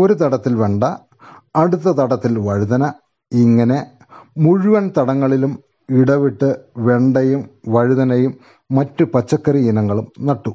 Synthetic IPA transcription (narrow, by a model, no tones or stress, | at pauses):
o̞ɾut̪ɐɽɐt̪ːilʋe̞ɳɖɐː | ɽut̪ːɐt̪ɐɽɐt̪ːilʋɐɻuðɐnɐ | iŋːɐne̞ | muɻuʋɐnt̪ɐɽɐŋːɐɭilum | iɽɐʋiʈːɨʋe̞ɳɖɐjumʋɐɻuðɐnɐjumː | ɐtːupɐt͡ɕːɐkːɐrijinɐŋːɐɭumnɐʈːu